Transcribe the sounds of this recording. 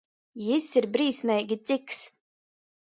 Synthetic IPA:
jisiɾbɾiːsmʲɛjɡʲit̪siks

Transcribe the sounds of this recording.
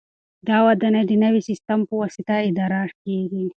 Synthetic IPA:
d̪awad̪anad̪inɐwisɪst̪ampəwasit̪aɪd̪aɾaːʈkeɡi

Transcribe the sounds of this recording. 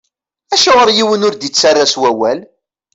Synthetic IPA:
æʃəʁəɾjiwənʊɾd̪it͡sːarˤːaswæwæl

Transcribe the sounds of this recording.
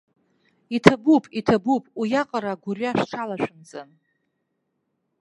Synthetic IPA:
itʰabupʼitʰabupʼijaqʼaɾaɡʷʊraʂʈ͡ʂʰalaʃʷᶣɨnd͡zʼɨn

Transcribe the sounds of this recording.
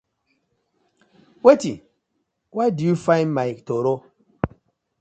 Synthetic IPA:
weti | wadufajmajk̚toɾo

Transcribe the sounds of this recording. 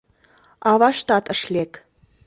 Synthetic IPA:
ɑvɑʃt̪ɑt̪əʃlek

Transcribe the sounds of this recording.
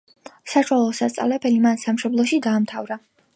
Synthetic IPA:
saʃwalˠɔsast̪sʼa̰lɛpʰɛlimansamʃɔblˠɔʃid̪aːmt̪ʰavɾa

